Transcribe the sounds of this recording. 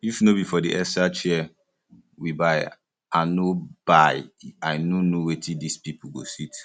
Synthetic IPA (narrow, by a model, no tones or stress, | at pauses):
jufnobifɔdiʔɛsat͡ʃiɛ | wibaɪ | anob̥aɪajnonowetʰĩdispipuɡo̰sit